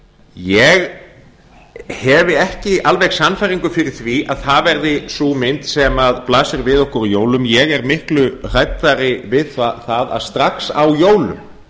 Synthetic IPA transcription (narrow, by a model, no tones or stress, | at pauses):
jɛɣ | hɛvɪɛhcɪʔalvɛɣsanːfajɾiŋkʏfɪɾɪɾ̥θviʔaðθaðvɛɾðɪsumɪnt̪sɛmaðplaːsɪɾvɪðɔhkʊɾɔjoːwlʏmjɛɣɛɾmɪhklʏr̥aːjt̪ːaɾɪvɪðθaθaða̰ðst̪ɾaksa̰wjoːwlʏ̰m